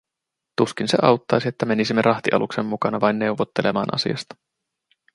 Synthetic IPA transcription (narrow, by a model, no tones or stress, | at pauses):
t̪uskinseʔɑ̰wt̪ːɑjsiet̪ːæme̞nisimːeɾʔɑht̪iʔɑ̰luksemːukɑnɑʋɑjnːe̞uwʋot̪ːelʔe̞mɑ̰ːnʔɑ̰sḭɑ̰st̪ɑ̥